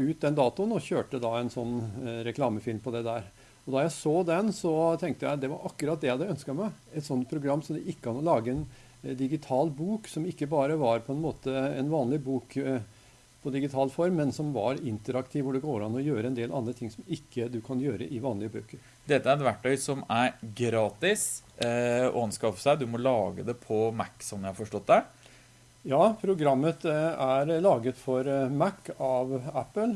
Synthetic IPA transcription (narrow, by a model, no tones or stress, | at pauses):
ʉːt̪̚d̪ɛnd̪ɑːt̪ʊənɔçøːʈəd̪ɑɛnsɔnːɾɛkʰlɑːməfɪlmpʰɔd̪ɛd̪æːɾ | ɔd̪ɑɾjæɪsoːd̪ɛnsɔt̪ʰɛŋk̚t̪əjæɪd̪ɛʋɑɾʔɑkːʉɾɑt̪̚d̪ɛæd̪əœnskɑmæɪɛt̪sɔnt̪̚pʰɾʊɡɾɑmːsɔmd̪ɛʔɪkːəkʰɑnɔlɑːɡəɛn | d̪ɪɡɪt̪ʰɑːlbuːksɔmɪkːəbɑːɾəʋɑɾpʰɔɛnmoːt̪əɛnʋɑːnlɪbuːk | pʰɔd̪ɪɡɪt̪ʰɑːlfɔɾmːɛnsɔmʋɑɾɪnt̪əɾɑkt̪ʰiːʋʊɖɛɡoːɾɑnɔjøːɾəɛnd̪eːlʔɑnd̪ɾət̪ʰɪŋːsɔmɪkːəd̪ʉkʰɑnjøːɾə̰ʔɪʋɑːnlɪəbøːkəɾ | d̪ɛt̪ːəæɾɛt̪ʋæʈːœʏsɔmæɾɡɾɑːt̪ɪs | ɔ̰ɑnskɑfə̥sæɪd̪ʉmɔlɑːɡə̰d̪ɛpʰɔmækːsɔnːjæɪhɑɾfɔʂʈɔt̪̚d̪æ | jɑːpʰɾʊɡɾɑmːət̪æɾlɑːɡət̪fɔɾmækːɑʋæpːəl